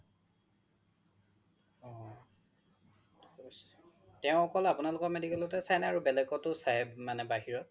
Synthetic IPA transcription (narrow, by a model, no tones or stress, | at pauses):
ɔ | tɛʊ̃ɔkɔlapunalʊkɔɹmedikɛlɔtɛsajnɛaɹubɛlɛkɔtʊsajmanɛbaɦiɹɔt̚